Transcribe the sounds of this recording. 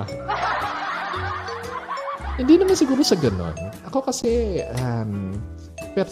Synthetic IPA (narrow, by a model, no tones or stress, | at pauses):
hɪnd̪iːnɐmansɪɡuːɾosɐɡɐno̰nʔɐkokɐsɛɐm | pɛɾ